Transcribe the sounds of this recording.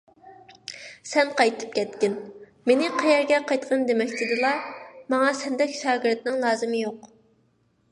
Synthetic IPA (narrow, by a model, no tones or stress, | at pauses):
sɛnqɑjt̪ʰɨ̥p̚kʲɛt̪kʲɪn | menɪqʰɛjɛɾɡʲɛqɑjt̪qʰɑnd̪emɛkʲt̪ʰɪd̪ɨlˠɑmɑŋɑsɛnd̪ɛkʲʃɑːɡiɾt̪nɪŋlˠɑːzɨmɨjoq